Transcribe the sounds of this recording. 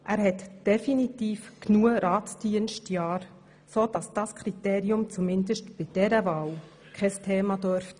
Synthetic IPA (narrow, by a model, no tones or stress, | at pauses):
ʔæːɾhɛtd̥ɛfinitiːfknuəɾɑːtd̥iənʃtjɑːɾ | soːd̥ɑsd̥ɑskʰɾit̪eːɾiʊmt͡sumɪndəʃtb̥ɪd̥ɛɾəvɑːw | kʰɛstʰeːmɑdøɾft